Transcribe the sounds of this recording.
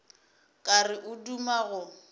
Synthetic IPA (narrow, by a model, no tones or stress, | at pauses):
kʼarɪʔʊdumaɣʊ